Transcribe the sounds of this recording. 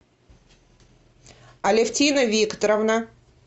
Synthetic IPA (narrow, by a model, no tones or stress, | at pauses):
ɐlʲɪftʲinəvʲikt̪ɐɾɐvna